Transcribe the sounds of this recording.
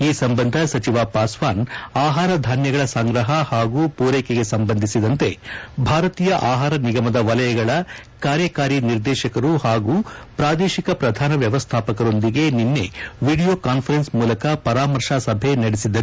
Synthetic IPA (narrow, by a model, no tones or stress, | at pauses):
iːsɐmbɐnd̪ʱɐsɐt͡ʃiʋaːpaːsʋaːnaːɦaːɾɐd̪ʱaːnjɐɡɐɭɐsaŋɡɾɐɦɐhaːɡuːpuːɾɛːkeɡe̞sɐmbɐnd̪ʱisid̪ɐnt̪e̞bʱaːɾɐt̪iːjɐʔaːɦaːɾɐniɡɐmɐd̪ɐʋɐlɐjɐɡɐɭɐ | kaːɾjɐkaːɾiniɾd̪ɛːʃɐkɐɾuhaːɡuːpɾaːd̪eːʃikɐpɾɐd̪ʱaːnɐʋjɐʋɐst̪ʰaːpɐkɐɾo̞nd̪iɡe̞ninːe̞ʋiːɽijo̞ːkaːnpʰɐɾensmuːlɐkɐpɐɾaːmɐɾʂaːsɐbʱenɐɽisid̪ːɐɾu